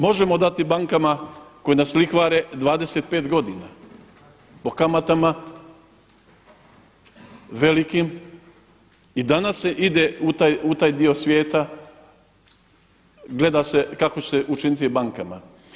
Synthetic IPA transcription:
mo̞ʒemo̞d̪at̪ibaŋkamako̞jenaslixʋaːɾe̞d̪ʋaːd̪e̞se̞t̪̚pe̞ːt̪ɡo̞d̪ina | po̞kamat̪ama | ʋe̞likim | id̪anasːeʔid̪e̞ut̪aːjut̪aːjd̪io̞sʋʲje̞ːt̪a | ɡle̞d̪ase̞kakot͡ɕseʔut͡ʃinit̪ibaŋkama̰

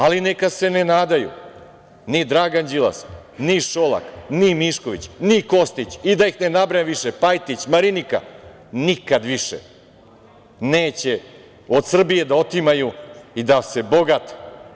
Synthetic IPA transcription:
alinekad̪se̞nenaːd̪ajṵ | nid̪ɾaɡand͡ʑila̰s | niʃolˠa̰knimiʃko̞ʋḭt͡ɕniko̞st̪it͡ɕid̪ajixne̞nabɾaneʋiʃepajt̪it͡ɕmaɾinika̰ | nikad̪ʋiʃḛ | neːt͡ɕe | o̞d̪sr̩bije̞d̪aot̪imajuid̪ase̞boɡat̪

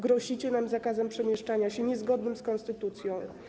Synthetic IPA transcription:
ɡɾɔɕit͡ɕɛnamzakazɛmpʂɛmʲjɛʂt͡ʂaɲaɕɛɲɛzɡɔd̪nɘmskɔnst̪ɘt̪ut̪sʲjɔ̃w̃

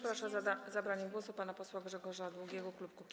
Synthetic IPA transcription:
pɾaʂazabɾaɲɛmɡwɔsupanapɔswaɡʐɛɡɔʐad̪wuɡʲjɛɡɔklup̚kukʲ

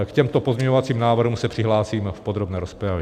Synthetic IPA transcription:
kcɛmt̪opozmɲɛɲovat͡siːmnaːvr̩ɦumsɛpr̝̥ɪɦlaːsiːmfpod̪ɾobnɛːɾospɾavjɛ

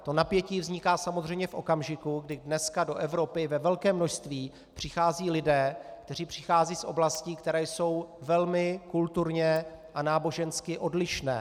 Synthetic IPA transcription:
t̪o̞napjɛciːvzɲɪkaːsamozr̝ɛjmɲɛfʔo̞̰kamʒɪkuɡdɪdnɛskado̞ʔɛvɾo̞pɪvɛvɛlkɛːmːnoʃst̪viː | pr̝̥ɪxaːziːlɪdɛːkt̪ɛriːpr̝̥ɪxaːziːsʔo̞̰blasciːkt̪ɛɾɛːjso̞wvɛlmɪkult̪uɾɲɛʔanaːbo̞ʒɛnskɪʔo̞dlɪʃnɛ̰ː

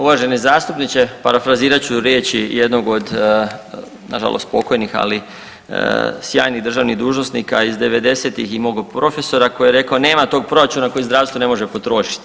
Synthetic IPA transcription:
uʋaʒe̞nizaːst̪upnit͡ʃe̞paɾafɾaziːɾat͡ɕuɾjeːt͡ɕijed̪no̞ɡo̞d̪ | na̰ʒa̰lˠʔo̰st̪̚po̞ko̞jnixa̰li | sja̰ːjniɣd̪r̩ʒaʋniɣd̪uːʒno̞snikaizd̪e̞ʋe̞d̪e̞set̪iximo̞ɡpɾo̞fe̞so̞ɾako̞jjeɾe̞kaone̞ːmat̪o̞ːɡ̚pɾo̞ɾat͡ʃunako̞jizd̪ɾaːʋst̪ʋone̞mo̞ʒe̞po̞t̪ɾo̞ːʃi̥t̪i̥

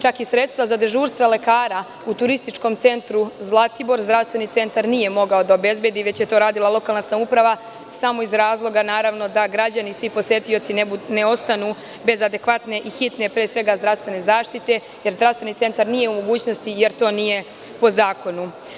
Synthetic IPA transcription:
t͡ʃakisɾe̞t̪st̪ʋazad̪ɾʒuːɾst̪ʋale̞kaːɾa | ut̪uɾist̪it͡ʃko̞mt̪se̞nt̪ɾuzlˠat̪ibo̞ɾzd̪ɾaʋst̪ʋe̞nit̪se̞nt̪aɾnije̞mo̞ɡao̞d̪aobe̞zbje̞d̪iʋe̞t͡ɕjet̪oɾaːd̪ilˠalˠo̞kalnasamupɾaʋa | samo̞izɾaːzlˠo̞ɡanaːɾaʋno̞d̪aɡɾad͡ʑanisʋipo̞sje̞t̪io̞t̪sineune̞o̞st̪anu | be̞zad̪e̞kʋat̪ne̞ʔixit̪ne̞pɾeːsʋe̞ɡazd̪ɾaʋst̪ʋe̞ne̞zaːʃt̪it̪e̞ | je̞ɾzd̪ɾafst̪e̞nit̪e̞nt̪aɾnije̞umo̞ɡuːt͡ɕno̞st̪ije̞ɾt̪o̞ːnije̞ | po̞zaːko̞nu

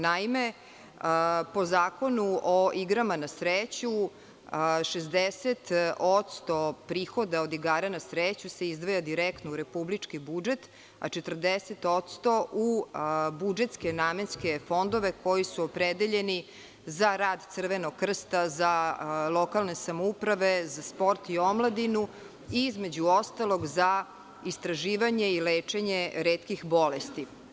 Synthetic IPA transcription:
naime | əpo̞zaːko̞nuoiɡɾamanasɾet͡ɕu | ʃezd̪eset̪ot̪st̪opɾiːxod̪aod̪iɡaːɾanasɾet͡ɕuse̞izd̪ʋojad̪iɾekt̪nouɾe̞publit͡ʂkibud͡ʒet̪ | a̰t͡ʃet̪r̩d̪eset̪ot̪st̪o̞ʔubud͡ʒet̪ske̞naːmenske̞fo̞nd̪o̞ʋe̞ko̞jisuopɾed̪eʎe̞ni | zaɾaːd̪t̪sɨr̩ʋe̞noɡkːr̩st̪azalˠo̞kalˠne̞samoupɾaʋe̞zaspo̞ɾt̪io̞mlˠad̪inu | iizmed͡ʑuost̪alo̞ɡza | ist̪ɾaʒiːʋaɲe̞ileːt͡ʂe̞ɲeɾeːt̪kixbo̞lest̪i

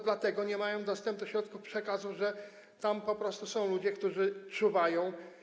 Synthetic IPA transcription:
d̪lat̪ɛɡɔɲɛmajɔ̃w̃d̪ɔst̪ɛmpnɪxɕɾɔt̪kufpʂɛkazuvʐɛ | t̪ampɔpɾɔst̪usɔ̃w̃lud͡ʑɛkt̪uʐɘt͡ʂuvajɔ̃w̃

